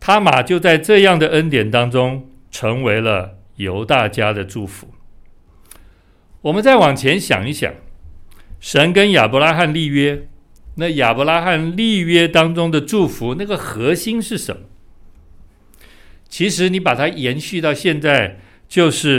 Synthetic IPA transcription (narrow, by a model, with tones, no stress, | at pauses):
t̪ʰa˥ma˨˩t͡ɕjo˥˧ʊt͡sa˥˧ɪʈ͡ʂɤ˥˧jɑ˥˩ŋd̪ə˩ə˦nt̪jɛ˨˩nt̪ɑ˥ŋʈ͡ʂʊ˥ŋ | ʈ͡ʂʰɤ˧˥ŋwe˧˥ɪlə˧ | jo˧˥ʊt̪a˥˩t͡ɕja˥d̪ə˨ʈ͡ʂu˥˩fṵ˧˦ | wɔ˨˩mə˦nt͡sa˥˩ɪwɑ˨˩ŋt͡ɕʰjɛ˧˥nɕjɑ̰˨˩ŋi˥˩ɕjɑ̰˨˩˦ŋ | ʂə˧˥nkə˦˥nja̰˨˩pɔ˧˥la˥xa˥˧nli˥˩ɥɛ˥ | na˥˩ja˨˩pɔ˧˥la˥xa˥˧nli˥˨ɥɛ˥t̪ɑ˥ŋʈ͡ʂʊ˥ŋd̪ə˨ʈ͡ʂu˥˩fu˧˥na˥˩ɡə˩xɤ˧˥ɕi˥ŋʂɻ̩˥˩ʂə̰˧˥nmə˩ | t͡ɕʰi˧˥ʂɻ̩˧˥ni˧˥pa˨˩t̪ʰa˥jɛ˧˥nɕy˥˧t̪ɑ˥˧ʊɕjɛ˥˧nt͡sa˥˧ɪ | t͡ɕjo˥˧ʊʂɻ̩˥˩